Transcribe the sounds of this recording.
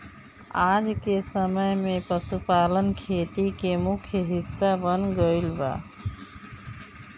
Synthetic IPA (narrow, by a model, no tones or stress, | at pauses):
ad͡ʒkesəməjmẽpəsupaːlənkʰet̪ikemʊkʰjəɦɪsːabənɡəɪlba̰